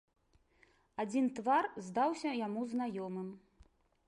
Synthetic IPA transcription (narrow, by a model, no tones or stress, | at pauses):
ad͡zʲint̪varzd̪awsʲɐjamuznajɔmɨm